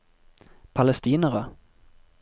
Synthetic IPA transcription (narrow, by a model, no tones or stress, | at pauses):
pʰalɛst̪iːnəʁə